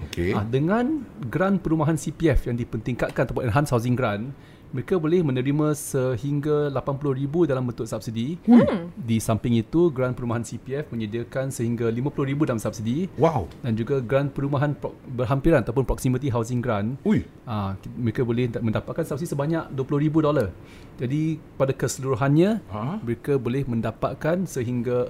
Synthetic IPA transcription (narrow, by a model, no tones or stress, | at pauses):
okeadəŋãnɡɾanpəɾumaɦansipiɛfjaŋdipənt̪iŋkat̪̚kant̪apaʔnɦanshawzɪŋɡɾan | məɾekabolɪhmə̃nə̃ɾimãsəhiŋɡalapanpulʊhribudalambənt̪ʊʔ̪sap̚sidi | disampɪŋit̪uɡɾanpəɾumaɦansipiɛfmə̃ɲədiakansəhiŋɡalimãpulʊhɾibudalamsap̚sidiwawdand͡ʒuɡaɡɾanpəɾumaɦanpɔbərɦampiɾanat̪awp̬ʊnpɾɔksimĩt̪̬iɦaws̬ɪŋɡɾanuj | aməɾekabolɪhmə̃ndapat̪̚kansap̚sidisəbaɲãʔduəpulʊhɾibudolar | d͡ʒadipadakəsəluɾuɦanɲãməɾekabolɪhmə̃ndapa̰t̪̚kansəɦiŋɡa